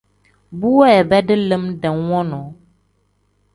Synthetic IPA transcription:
bu˦wɔ˦ɛ˨bɛ˦ɖɪ˦lə˦mɖɛ˨wɔ̃˦nɔ̃˨˦

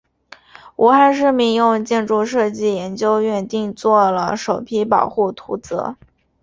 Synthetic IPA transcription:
u˧˥xa˥˧nʂ̬ɻ̩˥˧mi˧˥˧ŋjʊ˥˧ŋt͡ɕjɛ˥˧nʈ͡ʂu˥˧ʂɤ˥˧t͡ɕi˥˩jɛ˧˥nt͡ɕjo˥ʊɥɛ˥˧nt̪i˥˧ŋt͡swɔ˥˩lə˩ʂo˨˩ʊpʰi˥pɑ˨˩ʊxu˥˩t̪ʰu˧˥t͡sɤ̰˧˥

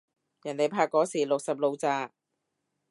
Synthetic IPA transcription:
jɐ˨˩nle˨˧jpʰaː˧kːɔː˨˥siː˨˩lʊ˨k̚sɐ˨p̚lo˧wt͡saː˧

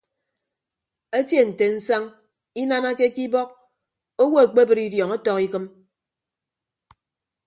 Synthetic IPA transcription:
e˦tje˦n̩˨te˨n̩˦sa˦ŋ | i˦na˦na˦ke˦ki˦bɔ˦k̚ | o˦wo˦e˨k͡pe˦bɨ˨ɾi˦djɔ˨ŋa˦tɔ˦ki˦kɨ˦m

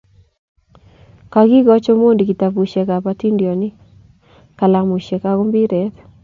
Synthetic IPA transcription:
ka˨ɡi˦ɡɔ˦t͡ʃɔ˦mo˦ndi˨ki˨ta˨pu˨ʃɛ˨ka˨pa˦ti˦ndjɔ˨nɪ˦ | ka˨la˨mu˨ʃɛ˨ka˨ko˦mbi˦ɾɛ˨˦t

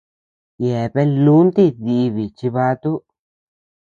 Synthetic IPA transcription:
je˨pe˦lu˦nt̪i˦ði˧βi˨t͡ʃi˧βa˧˦t̪u˦

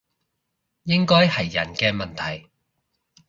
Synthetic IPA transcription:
jɪ˥ŋkɔː˥jhɐ˨jːɐ̰˨˩nkɛː˧mɐ˨nt̪ʰɐ˨˩j

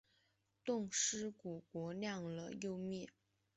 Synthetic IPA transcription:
t̪ʊ˥˩ŋʂɻ̩˥ku˨˩kwɔ˧˥ljɑ˥˩ŋlə˨jo˥˧ʊmjɛ˥˩

